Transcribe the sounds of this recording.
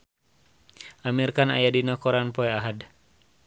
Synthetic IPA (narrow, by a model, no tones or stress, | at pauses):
ʔamirkana̰jadinɔkɔɾanpɔɛaɦad